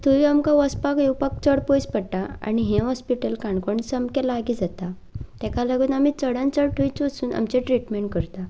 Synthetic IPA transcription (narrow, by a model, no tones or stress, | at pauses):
t̪uʋiamkaʋɔspakjewpak̚t͡səɽpojspəɽʈaa̰ɽ̃iɦɛ̃ɦɔspiʈəlkãɳkoɳisəmkɛlaɡid͡zat̪a | t̪ɛkalaɡuːnam̤it͡səɽənt͡səɽʈʰujt͡sʋəsuːnʔa̰mt͡ɕɛ̃ʈɾiʈmeɳʈ̚kəɾt̪a